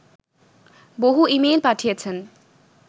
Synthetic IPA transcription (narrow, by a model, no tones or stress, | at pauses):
boɦuimelpaʈʰijet͡ɕʰen